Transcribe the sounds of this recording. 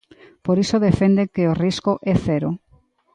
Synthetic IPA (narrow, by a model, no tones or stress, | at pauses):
poɾisoðefend̪ekeoriskoʔɛθɛɾo